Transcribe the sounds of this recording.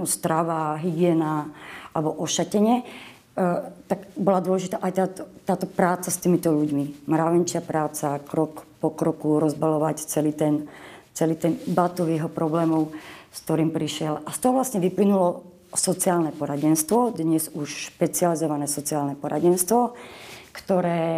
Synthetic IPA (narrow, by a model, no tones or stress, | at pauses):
ust̪ɾaʋaɦiɡɪɛːnaalɛbɔʔɔʃacɛɲɛ | t̪aɡbɔlad̪ʊɔlɛʒit̪aːʔajt̪aːt̪ɔt̪aːt̪ɔpɾaːt͡sast̪iːmit̪ɔʎuɟmimɾaʋɛnt͡ʃɪapɾaːt͡sakɾɔkpɔkɾɔkuɾɔzbalɔʋact͡sɛliːt̪ɛnt͡sɛliːt̪ɛnbat̪uʋjɛɦɔpɾɔblɛːmɔʊsk̚t̪ɔɾiːmpɾiʃɪɛlast̪ɔɦɔʋlasɲɛʋiplinulɔ | sɔt͡siaːlnɛpɔɾaɟɛnst̪ʋɔd̪ɲɛzuʃʃpɛt͡sializɔʋanɛːsɔt͡siaːlnɛpɔɾa̰ɟɛnst̪ʋɔkt̪ɔɾɛː